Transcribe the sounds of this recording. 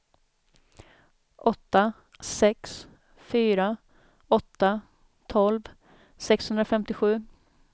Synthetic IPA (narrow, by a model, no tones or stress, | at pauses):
ʔɔt̪ːa | sɛks | fyːɾa | ɔt̪ːa | t̪ʰɔlv | sɛkshɵnd̪ɾafɛmt̪ɪɧʉ̟ː